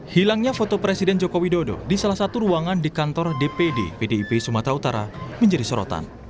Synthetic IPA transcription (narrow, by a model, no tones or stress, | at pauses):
hilaŋɲafɔt̪ɔpɾɛsidɛnd͡ʒɔkowidodɔ̰disalahsat̪uɾuaŋandikant̪ɔrdepedepedeipeisumat̪ɾaut̪aɾa̰məɲd͡ʒadisɔɾɔ̰t̪a̰n